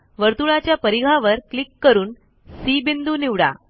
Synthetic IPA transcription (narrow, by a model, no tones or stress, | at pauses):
ʋəɾt̪uɭat͡ɕjapəɾiɡʱaʋəɾklikːəɾuːn | sibind̪uːniʋɽa̰